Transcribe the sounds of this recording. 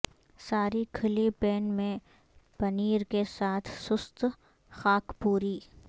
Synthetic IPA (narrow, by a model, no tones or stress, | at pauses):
saːɾikʰɐlipeːnmẽ | pɐniːɾkesaːt̪ʰsʊst̪ | xaːkpuːɾiː